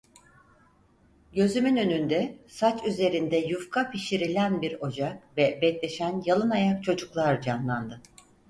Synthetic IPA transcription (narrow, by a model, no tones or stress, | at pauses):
ɟø̞zymynø̞nynd̪ɛsat͡ʃyze̞ɾind̪ɛjufkʰapʰiʃiɾilʲænbiɾo̞d͡ʒakvɛbɛclʲe̞ʃænjalˠɯnajak̚t͡ʃʰo̞d͡ʒuklˠaɾd͡ʒanlˠand̪ɯ